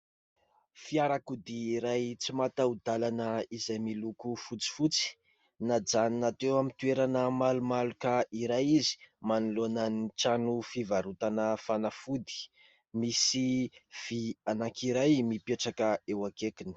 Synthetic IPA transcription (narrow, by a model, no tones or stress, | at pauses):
fiaɾakud̪iːɾajt͡simat̪aud̪alanəizajmilukufut͡si̥fut͡si̥ | nad͡zaninat̪ewamint̪ueɾanəmalumalukaiɾajizi̥manulonaniʈ͡ʂanufivaɾut̪anəfanafud̪i̥ | misiv̥ianaŋkiɾajmipeʈ͡ʂakəewakekini̥